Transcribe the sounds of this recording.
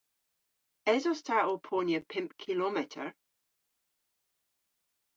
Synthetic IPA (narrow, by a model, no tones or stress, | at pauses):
ɛzɔstʰaʔɔpʰɔnjəpʰɪ̃mpkʰilˠɔmɪʔʰə̰ɹ